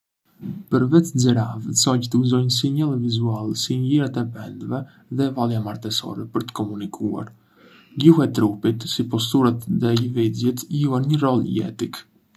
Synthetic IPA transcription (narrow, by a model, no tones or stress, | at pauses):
pəɾvɛt̪d͡zɛɾavsɔct̪əuzɔjns̬iɲɛlˠɛvizualsinliɾat̪ɛpɛnd̪vɛ | ðɛvalˠjamaɾt̪ɛsɔ̰ɾɛpəɾt̪ə̥kɔmunikʰua̰ɾ | ɡuhɛt̪ɾupit̪sipɔst̪uɾat̪ðɛləvizjɛt̪ijuaɾɲəɾɔljɛ̰t̪ik